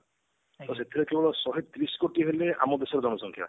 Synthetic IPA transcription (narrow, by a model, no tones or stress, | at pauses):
t̪ɔset̪ʰiɾekebɔɭɔsɔɦet̪ɾiskoʈiɦelea̰mɔd̪esɔɾd͡ʒɔnɔsɔŋkʰja̰